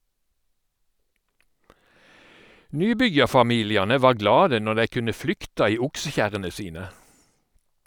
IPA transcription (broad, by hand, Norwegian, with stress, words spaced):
ˈnyːˌbʏjɑʁfɑˌmiːlɪɑnə ˈʋɑːʁ ˈɡlɑːdə ˈnɔʁ ˈdæɪ ˈkʉnə ˈflʏktɑ ˈiː ˈʊksəˌçæʁənə ˈsiːnə